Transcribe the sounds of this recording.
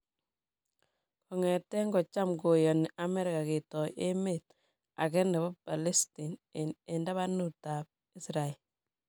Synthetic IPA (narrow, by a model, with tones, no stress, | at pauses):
kʰɔ˨ŋɛ˨tɛ˦ŋɡɔ˨t͡ʃa˦mɡo˨jɔ˨ni˨ʔa˨mɛ˦ɾɪ˨ka˨ke˨tɔ˨jʔe˦met̚ | a̰˨kɛ˦ndɛ˨bɔ˦pa˨lɛ˦sti˨nne˨nda˦βa˦nu˨ta˨p̚ | i˦sɾa˨e˨l